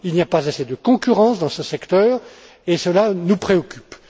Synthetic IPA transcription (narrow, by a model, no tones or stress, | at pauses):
ilnijapazased̪əkɔ̃kʲyʁɑ̃sd̪ɑ̃səsɛkt̪œːʁ | esəlanupχeɔkʲy̥p